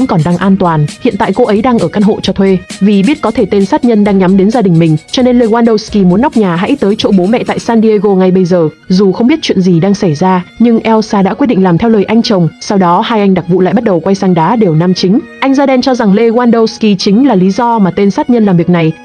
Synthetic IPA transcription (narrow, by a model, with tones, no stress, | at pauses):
nkɔ˨˩nɗaː˧ŋʔaː˧nt̪waː˨˩nhḭ˧˨nt̪a̰ː˧˨jko˧ʔə˨˦jɗaː˧ŋʔəː˧˩kaː˧nɦo̰˧˨t͡ɕɔ˧t̪ʰwe˧vi˨˩ɓi˦˥ət̚kɔ˨˦t̪ʰe˧˩t̪e˧nsaː˦˥t̚ɲə˧nɗaː˧ŋɲa˨˦mɗe˨˦nzaː˧ɗï˨˩ŋ̟mï˨˩ŋ̟t͡ɕɔ˧ne˧nle˧ɣwaː˧nɗə˧wski˧mu˨˦ənː˦˥wk͡p̚ɲaː˨˩ɦa̰˧˥jt̪əː˨˦jt͡ɕo̰˧˥ɓo˨˦mɛ̰˧˨t̪a̰ː˧˨jsaː˧nɗi˧ə˧ɣo˧ŋa˨˩jɓə˧jzəː˨˩ | zu˨˩xə˧wŋ͡mɓi˦˥ət̚t͡ɕwḭ˧˨ənzi˨˩ɗaː˧ŋsa˧˩jzaː˧ɲɨ˧ŋʔɛ˧wsaː˧ɗa̰˧˥ki˦˥t̚ɗḭ˧˨ŋlaː˨˩mt̪ʰɛ˧wləː˨˩jʔa˧jŋ̟t͡ɕə˨˩wŋ͡msa˧wɗɔ˨˦haː˧jʔa˧jŋ̟ɗa˨˩k̚vṵ˧˨la̰ː˧˨jɓt̚ɗə˨˩wkwa˧jsaː˧ŋɗaː˨˦ɗe˨˩wna˧mt͡ɕï˨˦ŋ̟ʔa˧jŋzaː˧ɗɛ˧nt͡ɕɔ˧za˨˩ŋle˧ɣwaː˧nɗə˧wski˧t͡ɕï˨˦ŋ̟laː˨˩li˨˦zɔ˧maː˨˩t̪e˧nsaː˦˥t̚ɲə˧nlaː˨˩mvi˨˩ək̚na˨˩j